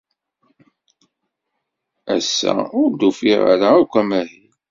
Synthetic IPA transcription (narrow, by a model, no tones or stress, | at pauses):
æsːæ̰ʊɾd̪ufiʁa̰ɾaukʷːæmæɦi